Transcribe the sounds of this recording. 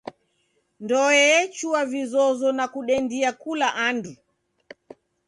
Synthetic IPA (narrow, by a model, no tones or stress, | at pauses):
ndɔɛɛt͡ʃuavizɔzɔnakuɗɛndiakulaʔandu